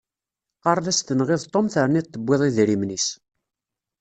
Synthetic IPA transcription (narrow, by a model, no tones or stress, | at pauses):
qɑɾˤðæst̪ənʁɪðt̪ˤːomθəɾˤnit̪ːəbʷːɪðˤiðɾimnis